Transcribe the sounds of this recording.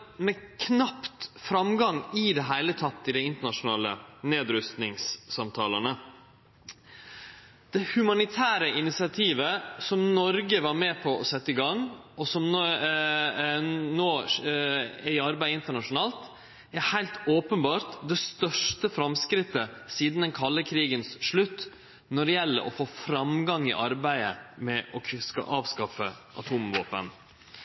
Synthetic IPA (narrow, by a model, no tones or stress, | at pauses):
mɛkʰnɑpt̪fɾɑmɡɑŋɪd̪ɛɦæɪlət̪ʰɑt̪ːɪd̪æɪɪnt̪əɳɑʂʊnɑːlə̰neːd̪ɾʉst̪nɪŋsːɑmt̪ʰɑːlənə | d̪̥ɛhʉmɑnɪt̪ʰæːɾəʔɪnɪsɪɑt̪ʰiːʋəsɔmnɔɾɡəʋɑɾmɛːpʰɔɔsɛt̪ːɪɡɑŋ | ɔsɔm | noː | ɛɾɪɑɾbæɪəɪnt̪əɳɑʂʊnɑːlt̪ | æɾhæɪlt̪oːpənbɑːɾt̪d̪ɛst̪œʂʈəfɾɑmskɾɪt̪ːəsiːd̪n̩d̪ɛnkʰɑlːəkʰɾiːɡənsʂɭʉt̪ː | nɔɖɛjɛlːə̰ɾʔɔ̰foːfɾɑmɡɑŋːɪ̰ʔɑɾbæɪə̰mɛʔɔsɑ̰ʔɑːʋskɑfə̰ʔɑt̪ʰuːmʋo̰ːpə̰n